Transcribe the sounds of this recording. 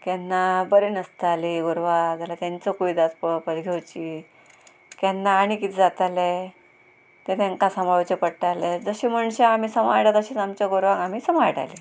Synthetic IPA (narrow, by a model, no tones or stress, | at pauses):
kɛnːabəɾenəst̪aliɡoɾʋad͡zalat̪jãnt͡sɔkuʋid̪at̪pəpəlɡʱewt͡ɕi | kɛnːaːɽ̃ikit̪ʰd͡zat̪alɛ | t̪et̪ɛ̃ŋkãsamaʋt͡ɕepəɽʈalɛd͡zəɕem̤əɳɕeam̤iːsəma̰jʈat̪əɕet͡samt͡ɕaɡoɾʋãŋɡam̤isəmajʈa̰li